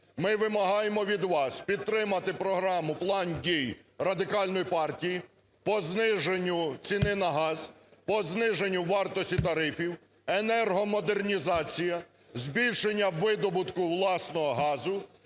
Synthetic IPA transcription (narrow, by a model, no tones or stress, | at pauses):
mɪʋɪmɐɦɑjemɔʋʲid̪ʋɑspʲid̪̚t̪ɾɪmɐt̪ɪpɾɔɦɾɑmʊplˠɑndʲijɾɐd̪ɪkɑlʲnɔjipɑrtʲiji | pɔznɪʒenʲːʊt͡sʲinɪnɐɦɑz | pɔznɪʒenʲːʊʋɑrt̪ɔsʲtʲit̪ɐɾɪfʲiw | enɛrɦɔmɔd̪ernʲizɑt͡sʲijɐ | zʲbʲilʲʃenʲːɐːɪd̪ɔbʊt̪kʊʋlˠɑsnɔɦɔɦɑzʊ